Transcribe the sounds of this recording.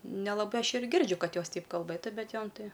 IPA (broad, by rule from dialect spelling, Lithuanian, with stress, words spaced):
nʲɛlˠɐˈbɐɪ ˈɐʃ ɪr ˈɡʲɪrʲd͡ʒʲʊ ˈkɐt ˈjoːs ˈtʲɛɪp kɐlˠˈbɘtʊ bʲɛt ˈjoːm ˈtɐɪ